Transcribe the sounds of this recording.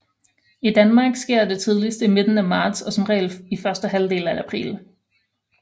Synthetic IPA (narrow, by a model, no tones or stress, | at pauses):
id̥ænmɑ̈ːɡ̥sɡ̥e̝ɐ̰d̥e̝t͡sʰið̞ˠlisd̥ime̝d̥n̩æmɑ̈ːd̥sɒ̽sɒmʁɛ̰ːlifɶɐsd̥əɦæld̥e̝ːl̩ææpʰʁḭːl